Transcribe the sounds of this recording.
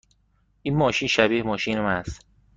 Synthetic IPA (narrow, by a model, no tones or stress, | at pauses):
ʔiːnmɒːʃiːnʃæbiːhmɒːʃiːnemænst̪